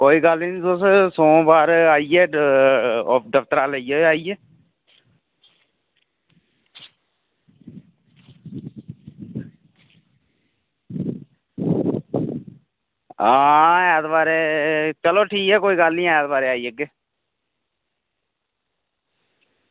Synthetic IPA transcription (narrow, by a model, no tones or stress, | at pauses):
koːiːɡəlninsossõːbaːɾaːieː | ɔːd̪əpt̪əɾaːləieːaːieː | aːaːd̪baːɾeːt͡ʃəloːʈʰiːkɛːkoːiːɡəlnĩːaːjaːd̪baːɾeːaːieɡeː